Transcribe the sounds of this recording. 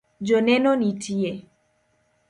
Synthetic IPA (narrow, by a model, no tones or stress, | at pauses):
d͡ʒonɛnɔnitʰiɛ